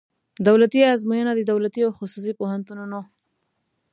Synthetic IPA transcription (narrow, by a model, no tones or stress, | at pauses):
d̪awlat̪iazmujənad̪əd̪awlat̪iawxʊsus̬ipohant̪ununo